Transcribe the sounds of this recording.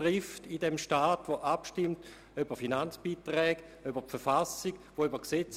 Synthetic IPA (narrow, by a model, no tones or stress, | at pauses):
ʁɪftidɛmʃtaːtvoʔapʃtɪmt | øbəfinant͡sb̥iːtʁɛːɡ | øbəpfɛfasikvoybɐksɛt͡s